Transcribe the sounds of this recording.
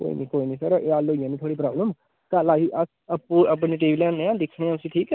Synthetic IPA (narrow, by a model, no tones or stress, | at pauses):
ko̰ːḭːnĩːkoːiːnĩːsəɾaʔeaːloːijãːnĩːt̪ʰoːɽiːpɾaːbləm | kalaːiːʔəs | əpːũːəp̬neːʈ̬eːʋiːlɛːnẽːãːd̪ɪkʰːɽẽãʊsĩːʈʰiːkɛ